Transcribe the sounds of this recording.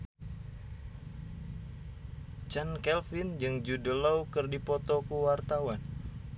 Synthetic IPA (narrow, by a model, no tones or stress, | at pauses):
t͡ʃankɛlfind͡ʒɨŋd͡ʒudəlawkɨrdipɔt̪okuwart̪awan